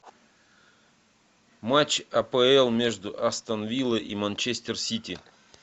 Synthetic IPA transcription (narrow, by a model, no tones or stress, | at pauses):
mat͡ɕɐpəɛlˠmʲe̞ʐd̪ʊʔɐst̪ɐnvʲilˠəʔimɐnʲt͡ɕesʲt̪ʲɪrsʲitʲi